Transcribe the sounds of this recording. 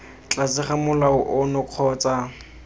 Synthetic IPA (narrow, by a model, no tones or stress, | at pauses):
t͡ɬʼasɪχamʊlaʊʔʊnʊq͡χʰɔːt͡sa